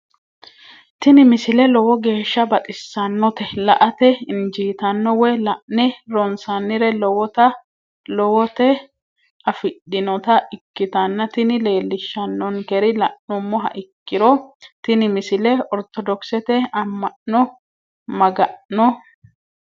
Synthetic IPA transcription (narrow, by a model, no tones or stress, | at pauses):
t̪ɪnɪmɪsɪlɛlɔwɔɡe̞ːʃːɐbɐt̪ʼɪsːɐnːɔt̪ɛlɐʔɐt̪ɛɪnd͡ʒiːt̪ɐnːɔwɛlɐʔnɛɾɔnsɐnːɪɾɛlɔwɔt̪ɐ | lɔwɔt̪ɛ | ɐfɪɗːɪnɔt̪ɐʔɪkːɪt̪ɐnːɐt̪ɪnɪle̞ːlːɪʃːɐnːɔnkɛɾɪlɐʔnʊmːɔɦɐ̰ʔɪkːɪɾɔt̪ɪnɪmɪsɪlɛɔɾt̪ɔd̪ɔksɛt̪ɛɐmːɐʔnɔ | mɐɡɐʔnɔ